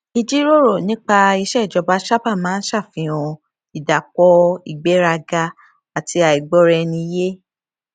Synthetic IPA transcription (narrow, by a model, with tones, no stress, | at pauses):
i˧d͡ʒi˦ɾo˦ɾo˦˨nĩ˦k͡pa˧i˧ʃɛ˦˨d͡ʒɔ˧ba˦ʃa˦pa˦˨mãː˦n̩˦ʃa˦˨fĩ˧˦ɔ̃˧ | i˨da˨kɔ˧˦i˨ɡ͡be˨˦ɾa˧ɡa˧ | a˨tʰi˧˦a˨i˨ɡ͡bɔ˧˦ɾɛ˧nĩ˧˦je˦